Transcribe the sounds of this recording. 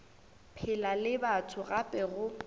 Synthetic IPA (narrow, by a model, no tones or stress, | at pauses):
pʰɪlalɪbatʰʊɣapʼɛɣʊ